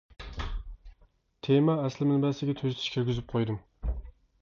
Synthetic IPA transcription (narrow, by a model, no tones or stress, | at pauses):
t̪ʰemɛɛslɪmɪnbɛsɪɡʲɛt̪ʰøzt̪ʰi̥ʃkʲʰyɾɡʲyzɪp̚qʰojd̪ɨm